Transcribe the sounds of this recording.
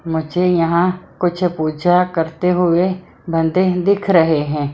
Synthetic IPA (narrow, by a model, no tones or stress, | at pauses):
mʊd͡ʒʱejɐɦãkʊt͡ʃʰpuːd͡ʒakəɾt̪eɦʊe | bə̃nd̪ed̪ɪkʰɾəɦeɦɛ̃ː